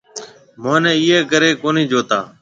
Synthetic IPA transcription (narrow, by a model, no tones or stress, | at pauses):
mãːnɛ̃ːiːeːkəɾeːkoːnĩːd͡ʒoːt̪aː